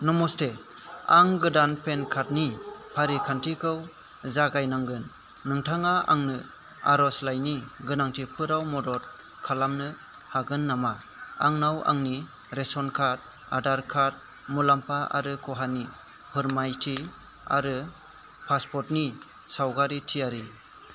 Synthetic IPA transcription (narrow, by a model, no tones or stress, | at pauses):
nɔmɔstʰe | aŋɡɯdanpʰenkʰat̚nipʰaɾikʰantʰikʰɯw | zaɡajnaŋɡɯnː | ɯŋtʰaŋaa̰ŋnɯ | a̰ɾɔslajniɡɯnaŋtʰipʰɯɾawmɔdɔɾ̚ | kʰalamnɯ | haɡɯnːama | aŋnawa̰ŋni | ɾesɔnkʰat̚ | a̰daɾkʰat̚ | mulampʰaʔa̰ɾɯkʰɔɦani | pʰɯɾmajtʰi | a̰ɾɯ | pʰaspʰɔtni | sawɡaɾitʰijaɾi